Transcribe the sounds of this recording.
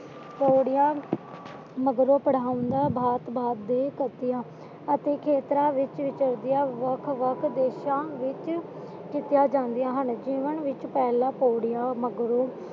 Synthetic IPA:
poːɽɪjãː | məɡɾõːpəɽaːʊ̃nd̪aːbʱaːt̪bʱaːb̚d̪eːkət̪ɪjãː | ət̪eːkʰeːt̪ɾãːʋɪt͡ʃʋɪt͡ʃəɾd̪ɪjãːʋəkʰʋəkʰd̪eːʃãːʋɪt͡ʃ | kɪt̪ɪjãːd͡ʒãːnd̪ɪjãːɦənd͡ʒiːʋənʋɪt͡ʃpɛːlãːpoːɽɪjãːməɡɾoː

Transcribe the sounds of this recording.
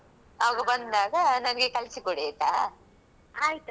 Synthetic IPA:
ɐʋɐɡɐbɐnd̪d̪aːɡɐnɐnɐɡekɐlsikoɽit̪ːa | aːjit̪u

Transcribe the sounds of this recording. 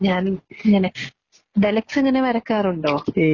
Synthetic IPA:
ɲaːniŋːɐne | ɖelɐkseŋːɐne̞ʋɐɾɐkːaːruɳɖo̞ː

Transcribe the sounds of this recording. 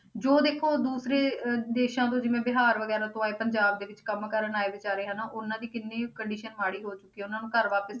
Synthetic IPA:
d͡ʒoːd̪eːkʰoːd̪uːsɾeːd̪eːʃãːt̪õːd͡ʒɪʋẽːbɪɦaːɾʋəɡɛːɾaːt̪õaːeːpəɲd͡ʒaːb̚d̪eːʋɪt͡ʃkəmkəɾəɳaːeːʋɪt͡ʃaːɾeːɦənaːʔʊnãːd̪iːkɪnːẽːkəɳɖiːʃənmaːɽiːɦoːt͡ʃʊkːiːʊnãːnũːkəɾʋaːpəs

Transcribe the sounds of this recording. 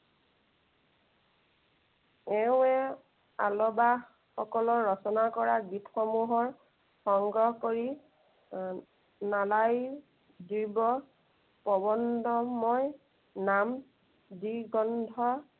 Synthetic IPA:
ɛʊɛ | a̰lɔba | xɔkɔlɔːɔsɔnakɔɹaɡitʰxɔmuɦɔɹ | xɔŋɡɹɔɦkoɹi | nalaj | dibɔ | pɔbɔndɔmɔj | nam | diɡɔndʱɔ

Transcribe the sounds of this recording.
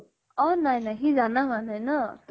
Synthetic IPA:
ɔnajnajɦizanaɦanajnɔt

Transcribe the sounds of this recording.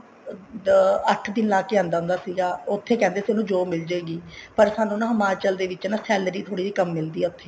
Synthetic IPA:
əʈʰd̪ɪnlaːkeːãːnd̪aːʊ̃nd̪aːsiːɡaːʊt̪ʰːeːkɛ̃ːnd̪eːsenũːd͡ʒoːmɪld͡ʒaːeːɡiːpəɾsaːnːũːnãːɦəmaːt͡ʃəld̪eːʋɪt͡ʃːnaːsɛːlɾiːt̪ʰoːɽiːd͡ʒiːkəmːɪld̪iːɛːʊt̪ʰːeː

